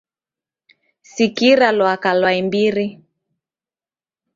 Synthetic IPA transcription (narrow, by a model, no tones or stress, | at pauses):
sikiɾalwakalwaimbiɾi